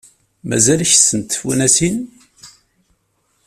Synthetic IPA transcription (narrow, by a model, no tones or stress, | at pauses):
mæ̰zælçsənt̪fṵnæsin